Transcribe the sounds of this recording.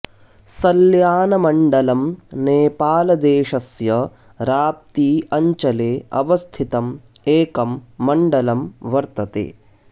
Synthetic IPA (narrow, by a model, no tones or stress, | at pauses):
sɐljaːnɐmɐɳɖɐlɐmneːpaːlɐd̪eːʃɐsjɐ | ɾaːp̚t̪iːɐɲt͡ʃɐleːɐ̰ʋɐst̪ʰit̪ɐm | eːkɐmːɐɳɖɐlɐmʋɐɾt̪ɐt̪ḛː